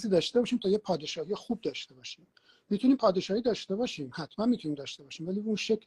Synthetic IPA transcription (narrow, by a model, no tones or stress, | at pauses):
ziːd̪ɒːʃt̪e̞bɒːʃiːmt̪ʰɒːjepʰɒːd̪e̞ʃɒːhijexuːb̚d̪ɒːʃt̪e̞bɒːʃiːm | mit̪ʰuniːmpʰɒːd̪e̞ʃɒːhiːd̪ɒːʃt̪e̞bɒːʃiːmhæt̪mænmit̪ʰuniːmd̪ɒːʃt̪e̞bɒːʃiːmvæliːbunʃekʰ